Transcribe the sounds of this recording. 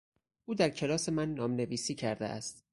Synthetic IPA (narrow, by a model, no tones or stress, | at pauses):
ʔuːd̪æɾcʰe̞lɒːse̞mænːɒːmne̞viːsiːcʰæɾd̪ḛʔæ̰st̪